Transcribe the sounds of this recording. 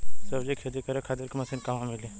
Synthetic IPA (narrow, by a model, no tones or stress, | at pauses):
sɐbd͡ʒikʰed̪ikɐɾekʰaːt̪iɾkmɐsinkɐmãmili